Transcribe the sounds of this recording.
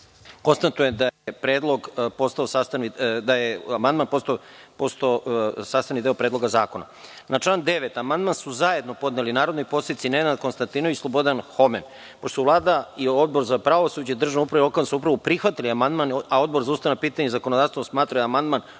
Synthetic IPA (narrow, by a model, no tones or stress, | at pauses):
ko̞nst̪at̪ujed̪ajepɾeːd̪lˠo̞ɡpo̞st̪aosaːst̪anid̪ajeamand̪manpo̞st̪post̪osaːst̪anid̪eopɾed̪lo̞ɡazaːkona̰ | nʔat͡ʂlˠaːnd̪e̞ʋet̪amand̪mansuzaje̞d̪no̞po̞d̪nelinaːɾo̞d̪nojpo̞seit̪sined̪nad̪̚ko̞nst̪ant̪iːnoislˠo̞bo̞d̪anxo̞men | poʃt̪olˠaːd̪aio̞d̪̚bo̞ɾzapɾaʋosud͡ʑed̪r̩ʒanoupɾaʋelo̞kaʋnsuupɾaʋupɾixʋat̪iliamand̪manaod̪̚bo̞ɾzaust̪aʋnapiːt̪aɲezakonod̪aːst̪oosmaːt̪ɾajamand̪man